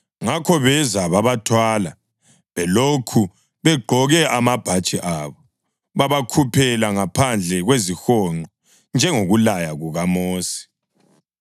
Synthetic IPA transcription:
ŋakʰɔβɛzaβaβatʰwaːla | βɛlokʰu | βɛɡ͡ǃʱɔɣɛʔamab̥ʱat͡ʃʼiʔaβɔ | βaβakʰupʰɛlaŋapʰand͡ɮʱɛɣwezixɔŋ͡ǃɔ | nd͡ʒʱɛŋoɣulajaɣuɣamoːsi̥

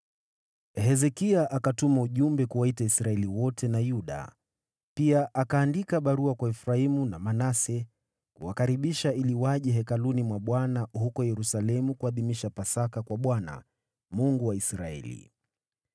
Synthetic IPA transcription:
hɛzɛkiaʔakatumauʄumbɛkuwaitaisɾaɛliwɔtɛnajuɗa̰ | piaʔakaːndikaɓaɾuakwaɛfɾaimunamanasɛ | kṵwakaɾiɓiʃailiwaʄɛɦɛkalunimwaɓwanahukɔjɛɾusalɛmukuaðimiʃapasakakwaɓwana̰ | muŋɡuwaisɾaɛ̰lḭ

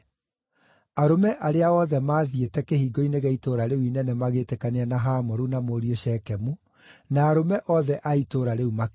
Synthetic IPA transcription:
aɾomɛʔaɾeaɔðɛmaːðietɛkehiːɡoineɣɛitoːɾaɾeuinɛnɛmaɣetekaneanaɦaːmɔɾunamoɾioʃɛkɛmu | naːɾomɛʔɔðɛʔaitoːɾaɾeuma

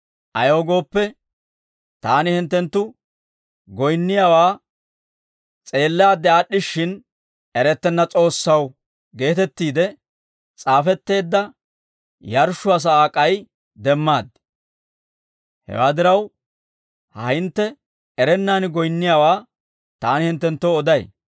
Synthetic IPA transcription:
ʔɐjo̞ːɡo̞ːpːɛ | t̪aːnɪhɪnt̪ːɛnt̪ːʊ | ɡɔjnːɪjawaː | t͡sʼe̞ːlːɛaːd̪ːɛaɗːɪʃɪn | ɛɾɛt̪ːɛnːɐt͡sʼo̞ːsːɐw | ɡe̞ːt̪ɛt̪ːiːd̪ɛ | t͡sʼaːfɛt̪ːe̞ːd̪ːɐ | jɐɾʃʊɐs̬ɐaːkʼɐj | d̪ɛmːaːd̪ | hɛ̰waːd̪ɪɾɐw | hɐ̰hɪnt̪ːɛ | ɛɾɛnːaːnɪɡɔjnːɪjaːwaː | t̪aːnɪhɪnt̪ːɛnt̪ːɔɔd̪ɐj

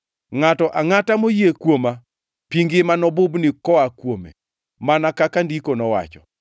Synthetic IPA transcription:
ŋatɔʔaŋatamojekwoma | piŋɡɪmanɔbʊbnɪkɔakwomḛ | manakakandikonɔwa̰t͡ʃɔ

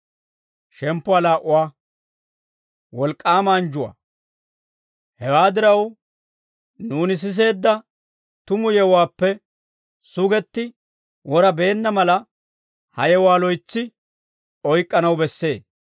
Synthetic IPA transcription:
ʃɛmpːʊaːlaːʔʊwaː | wɔlkʼːaːmaːnd͡ʒʊwa̰ː | hɛwaːd̪ɪɾɐw | nuːnɪs̬ɪs̬e̞ːd̪ːɐ | t̪ʊmʊjɛwwaːpːɛ | sʊɡɛt̪ːɪ | wɔɾɐbe̞ːnːɐmɐlɐ | hɐjɛwaːlɔjt͡sːɪ | ɔjkʼːɐnɐwbɛsːe̞ːs

